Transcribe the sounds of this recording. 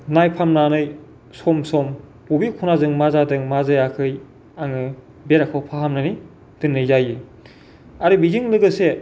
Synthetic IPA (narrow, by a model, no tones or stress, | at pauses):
najpʰamnanɯj | sɔmsɔm | ubikʰunazɯŋmazadɯŋmazɯjakʰɯj | aŋɯ | beɾakʰawpʰaɦamnani | d̥ɯnːɯjzajɯ | aɾibizɯŋlɯɡɯse